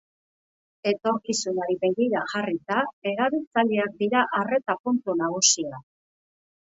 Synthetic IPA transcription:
e̞t̪o̞ɾkisunaɾiβejɣiɾaʝarit̪ae̞ɾaβilt͡saʎeak̚d̪iɾaʔare̞t̪apunt̪unaɣ̞usia

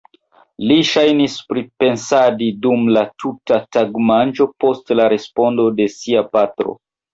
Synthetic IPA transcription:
liʃajnispɾipe̞nsadidumlatʰutataɡmand͡ʒo̞po̞stlaɾe̞spo̞ndo̞de̞siapatɾo̞̰

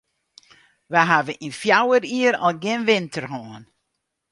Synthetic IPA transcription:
ʋɛɦavəʔinfjawəɾiəɾɔlˠɡɪnʋɪntərɦɔːn

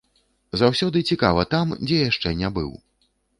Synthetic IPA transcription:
zawsʲɔd̪ɨt͡sʲikavɐt̪amd͡zʲɛjaʂt͡ʂɛnʲabɨ̰w

